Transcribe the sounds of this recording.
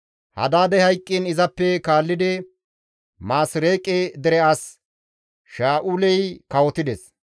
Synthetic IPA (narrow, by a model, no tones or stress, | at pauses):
hɐ̰d̪aːd̪ɛhɐjkʼːinɪzɐpːɛkaːlːɪd̪ɪ | maːsɾeːkʼːɛd̪ɛɾɛas | ʃaːʔuːlɛjkɐwɔt̪ɪd̪ɛs